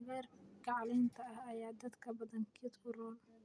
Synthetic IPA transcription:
ɣɛːrɡɑʕlɪnt̪ʰɐɐhɐjaːd̪ɐd̪kʰɐbɐðɐŋkʰɪd̪kʊrɔːl

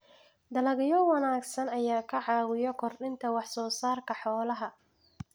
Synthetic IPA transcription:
d̪ɐlɐɣɪjɔwɑnaːɡsɐnɐjaːkʰɐʕɑːwɪjɔkʰɔrɗɪnt̪ʰɐwɑħsɔːsaːrkʰɐħɔːlɐɦɐ

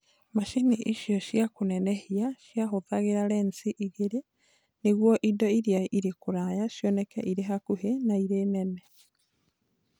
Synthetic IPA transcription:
maʃiniʔiʃjɔʃjakonɛnɛhiaʃjaɦoðaɣeɾaɾɛnsiʔiɣeɾe | neɣwɔʔidɔiɾjaiɾekoɾajaʃjɔnɛkɛ̰ʔiɾeɦakuɦenaiɾenɛnɛ

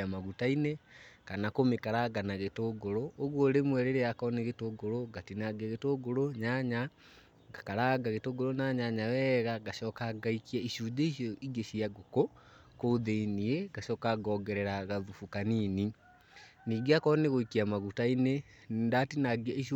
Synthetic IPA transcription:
amaɣutainekanakomekaɾaɡanaɣetoɡoɾooɣwoɾemwɛɾeɾeakɔneɣetoɡoɾoɡatinaɡeɣetoɡoɾoɲaɲa | ɡakaɾaɡaɣetoɡoɾonaɲaɲawɛɣaɣaʃɔːkaɡaikiaiʃud͡ʒeiɕɔʔiɡeɕiaɡoko | koðeiniɛɣaʃɔːkaɡɔɡɛɾɛɾaɣaðufukanini | niːɡeakɔneɣoikiamaɣutaine | nndatinaɡiʃ

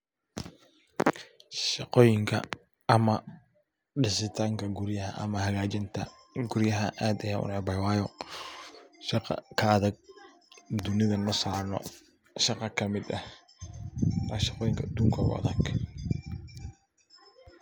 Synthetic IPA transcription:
ʃɑqɔːjɪŋkʰɐ̰ | ɐmɐ | ɖɪsɪt̪ʰaːŋkʰɐɡʊɾjɐɦɐʔɐ̰mɐhɐɣaːt͡ʃɪnt̪ʰɐ̰ | ɡʊɾjɐɦɐʔaːd̪ɐjaːʔʊ̰nɛbɐjwaːjɔ | ʃɑqɑ̰kʰɐːðɐɡ̚ | d̪ʊnɪðɐnɐsaːɾnɔ̰ | ʃɑqɑkʰɐmɪd̪ɐh | nɐʃɑ̥qɔːjɪŋkʰɐd̪uːŋkʰɐ̰ɣʊ̰ɐ̰ðɐɡ

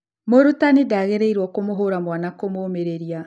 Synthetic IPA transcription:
moɾutanedaɣeɾeiɾwɔkomoɦoɾamwanakomoːmeɾeɾija

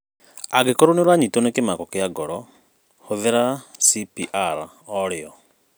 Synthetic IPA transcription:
aɡekoɾoniɾwaɲitonekimakɔkɪjaɡɔɾɔ | huðeɾasipiʔaɾa | ɔɾiɔ

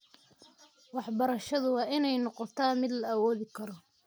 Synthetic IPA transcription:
wɑħbɐɾɐʃɐðʊwɑːʔɪnɛjnɔqɔt̪ʰaːmɪd̪lɐɐwɔːðɪkʰɐɾɔ

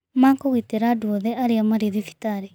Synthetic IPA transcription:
maːŋkoɣiteɾadwɔðɛʔaɾeamaɾeðifi̥taɾe

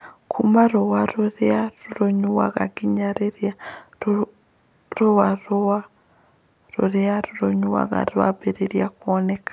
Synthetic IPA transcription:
kʰumaɾowaɾoɾeaɾuɾoɲuwa̰ɣaɡiɲaɾeɾja | ɾowaɾoa | ɾo̰ɾeaɾuɾoɲuwa̰ɣa̰ɾwa̰beɾeɾjakuɔnɛkḁ

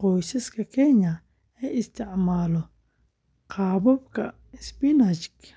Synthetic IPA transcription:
qɔjsɐskʰɐkʰɛɲɐ | ɛʔɪst̪ʰɪʕmaːlɔ | qɑːβɔbkʰɐ | ɪsbinɐt͡ʃk

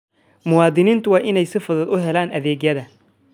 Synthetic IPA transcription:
mʊwɑːd̪ɪniːnt̪ʰʊwɑːʔɪnɛjsɪfɐðɐːd̪ʊɦɛlaːnʔɐðɛːɡjɐðɐ

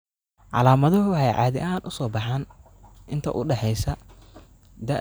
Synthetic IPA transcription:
ʕɑ̰laːmɐðɐɦʊhɛjʕɑ̰ːðɪ̰ʔaːnʔʊsɔːbɑħaːn | ɪnt̪ʰɐʔʊɖɛħɛjsɐ | d̪ɐ

